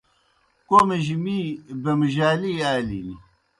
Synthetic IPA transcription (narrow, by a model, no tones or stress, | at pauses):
komeʒimibɐmɐʒaːliːaːlḭni